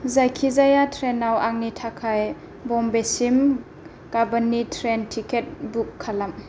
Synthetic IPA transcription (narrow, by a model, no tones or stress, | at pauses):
zajkʰizajatʰɾenawaŋnitʰakʰaj | bɔmbesim | kabanːitʰɾentʰiket̚bukʰːalam